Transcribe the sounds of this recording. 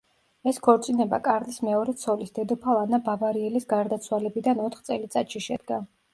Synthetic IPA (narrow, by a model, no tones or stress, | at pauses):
ɛskʰɔɾt̪sʼinɛba̰kʼaɾnismɛɔɾɛt̪sʰɔlisd̪ɛd̪ɔpʰalˠanabavaɾiɛlisɡaɾd̪at̪sʰwalɛbid̪anɔt̪ʰχt̪sʼɛlit̪sʼat̪ʃiʃɛd̪̚ɡa